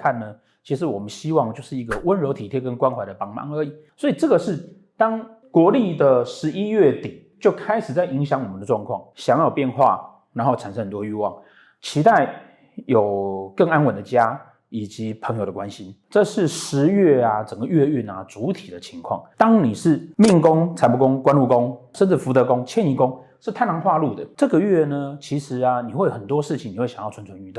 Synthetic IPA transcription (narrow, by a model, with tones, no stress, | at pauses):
kʰa˥˩nːə˩ | t͡ɕʰi˧˥ʂɻ̩˧˥wɔ˨˩mə˦nɕi˥wɑ˥˧ŋt͡ɕjo˥˧ʊʂɻ̩˥˩i˧˥ɡə˧wə˦nɻo˧˥t̪ʰi˨˩t̪ʰjɛ˥kə˥nkwa˥nxwa˧˥ɪd̪ə˧pɑ˥˩ŋmɑ̰˥˩ŋə˞˧˥i˨˩swɔ˧˥i˨˩ʈ͡ʂɤ˥˩ɡə˩ʂɻ̩˥˩ | t̪ɑ˥ŋ | kwɔ˧˥li˥˩d̪ə˨ʂɻ̩˧˥i˥ɥɛ˥˩t̪i˨˩˦ | t͡ɕjo˥˩ʊkʰa˥ɪʂɻ̩˨˩t͡sa˥˩ɪʔi˧˥ŋɕjɑ˧˥ŋwɔ˨˩mə˦nd̪ə˧ʈ͡ʂwɑ˥˧ŋkʰwɑ˥˩ŋɕjɑ˧˥ŋjɑ˥˨˩ʊpjɛ˥˧nxwa̰˥˩ | na˧˥nxo˥˩ʊʈ͡ʂʰa˨˩nʂə˦ŋxə˨˩t̪wɔ˥˦y˥˧wɑ˥˩ŋ | t͡ɕʰi˧˥t̪a˥˩ɪ | jo˨˩ʊkə˥˩ŋa˥nwə˨˩nd̪ə˨t͡ɕja˥ | i˨˩t͡ɕi˧˥pʰə˧˥ŋjo˨˩ʊd̪ə˩kwa˦nɕi˧˦ʈ͡ʂɤ˥˧ʂɻ̩˥˩ʂɻ̩˧˥ɥɛ˥˩a˩ʈ͡ʂə˨˩ŋɡə˦ɥɛ˥˧y˥˩na̰˨˩t͡su˧˥t̪ʰi˨˩d̪ə˦t͡ɕʰi˧˥ŋkʰwɑ̰˥˩ŋt̪ɑ˥ŋni˨˩ʂɻ̩˥˩mi˥˧ŋkʊ˥ŋt͡sʰa˨˧˥pu˧˥kʊ˦ŋkwa˥nlu˥˩kʊ˦ŋʂə˥˧nʈ͡ʂə˥˩fu˧˥t̪ɤ˧˥kʊ˦˥ŋt͡ɕʰjɛ˥˧˨ni˧˩kʊ˦˥ŋʂɻ̩˥˩t̪ʰa˥˩ɪna˧˥ŋxwa˥˧lu˥˩d̪ə˩ʈ͡ʂɤ˥˩ɡə˨ɥɛ˥˩nə˩t͡ɕʰi˧˥ʂɻ̩˧˥a˧ni˨xwe˥˩jxə˨˩nt̪wɔ˥ʂɻ̩˥˩t͡ɕʰi˨ŋni˨xwe˥˩jɑ˨˦jɑ˥˩ʊt͡sʰa˦nʰə˧ny˥˧t̪o˥˨